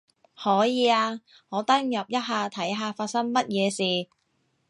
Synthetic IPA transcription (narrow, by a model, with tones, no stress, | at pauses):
hɔː˨˥jiː˨˧aː˧ | ŋɔː˨˧t̪ɐ˥ŋjɐ˨p̚jɐ˥t̚ɦaː˨˧t̪ʰɐ˨˥jɦaː˨˧faː˧t̚sɐ˥ŋmɐ˥t̚jɛː˨˧siː˨